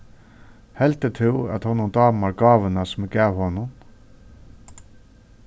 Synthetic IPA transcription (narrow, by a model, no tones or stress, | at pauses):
hɛlt̪ət̪ʰɪlæ̰t̪hɔnʊnd̪ɑːmaɹɡɑːʋənasmɪɡæːʋhɔnʊn